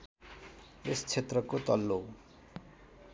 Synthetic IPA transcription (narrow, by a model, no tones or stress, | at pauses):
est͡sʰet̪rʌkot̪ʌlːo